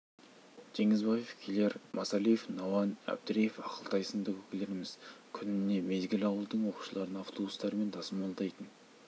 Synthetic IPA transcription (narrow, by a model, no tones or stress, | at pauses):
ʒ̥e̞ŋɪzbɑje̞fkʲʰele̞ɾmʔɑsɑlijefnɑwɑnæ̰b̚d̪ɾejefɑqəlˠt̪ɑjsənd̪əkɵkʲɪle̞ɾɪmɪzkʲʰʏnɪne̞me̞zɡʲɪlɑwəlˠd̪əɴwo̞qu̥ʃəlˠɑɾənɑft̪ʰo̞bust̪ɑɾme̞nt̪ʰɑsəmɑlˠd̪ɑjt̪ən